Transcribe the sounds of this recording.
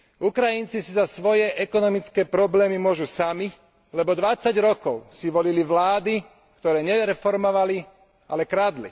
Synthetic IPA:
ukɾajint͡sisizasʋɔjɛʔɛkɔnɔmit͡skɛːpɾɔblɛːmimʊɔʒusami | lɛbɔd̪ʋat͡saɟɾɔkɔʊsiʋɔliliʋlaːd̪i | kt̪ɔɾɛːɲɛɾɛfɔɾmɔʋali | a̰lɛkɾaːd̪lḭ

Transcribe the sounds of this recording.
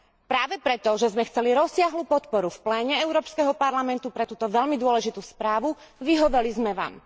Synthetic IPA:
pɾaːʋɛpɾɛt̪ɔʒɛzmɛxt͡sɛliɾɔsːɪaɦluːpɔt̪pɔɾufplɛːɲɛɛʊɾɔːpskɛɦɔpaɾlamɛnt̪upɾɛt̪uːt̪ɔʋɛʎmid̪ʊɔlɛʒit̪uːspɾaːʋu | ʋiɦɔʋɛlizmɛʋa̰ːm

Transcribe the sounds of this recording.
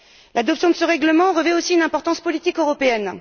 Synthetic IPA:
lad̪ɔpsjɔ̃d̪əsəʁɛɡləmɑ̃ʁəvɛosiynɛ̃pɔʁt̪ɑ̃spɔlit̪ikøʁɔpeɛn

